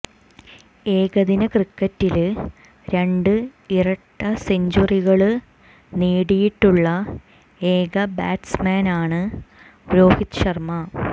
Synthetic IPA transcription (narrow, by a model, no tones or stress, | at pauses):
e̞ːɡɐðinɐkrikːɐtːil | ɾe̞ɳɖɨirɐʈːɐseɲd͡ʑuriɣɐɭɨ | niːɽijiʈːuɭːɐ | e̞ːɡɐbaːʈsmaːnaːɳɨ | ɾoːhit̪ɕɐrmɐ